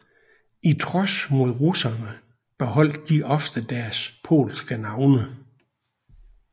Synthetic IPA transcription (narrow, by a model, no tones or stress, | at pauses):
it͡sʰʁɒsmo̝ð̞̰ˠʁusɐnə | b̥ehɒ̽l̰d̥̚ɡ̥iʔɒ̽fd̥əd̥æɐspʰo̝̰ːlsɡ̥ənɑ̈ʊnə